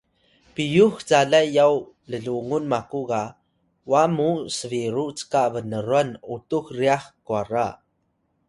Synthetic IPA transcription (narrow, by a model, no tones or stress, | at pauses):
pijuxt͡saɮajjaw | ləɮuŋunmakuka | wamusəviɾut͡sə̥kavənəɾuanutuxriaxkuaɾa